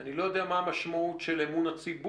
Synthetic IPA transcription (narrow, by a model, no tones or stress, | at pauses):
anilo̞jo̞d̪eamaːmaʃmautʃelemunat͡sibu